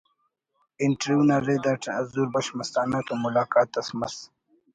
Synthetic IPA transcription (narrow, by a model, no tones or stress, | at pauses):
iɳʈɾjuːnaɾed̪aʈɐzuːɾbɐɕmɐst̪aːnat̪omulaːkaːt̪ːɐsmɐs